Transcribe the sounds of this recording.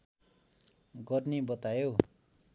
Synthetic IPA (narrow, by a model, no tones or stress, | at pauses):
ɡʌrnibʌt̪ajow